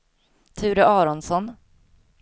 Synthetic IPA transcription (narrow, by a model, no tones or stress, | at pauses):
t̪ʰʉ̟ːɾəʔɑːɾɔnsɔn